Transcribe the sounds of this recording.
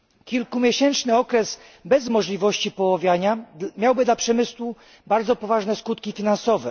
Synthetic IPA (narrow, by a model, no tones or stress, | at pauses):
kʲilkumʲjeɕɛnt͡ʂnɘɔkɾɛz | bɛzmɔʐlʲivɔɕt͡ɕipɔwɔvʲjaɲamjawbɘd̪lapʂɛmɘswu | baɾd̪zɔpɔvaʐnɛskut̪kʲifʲinansɔvɛ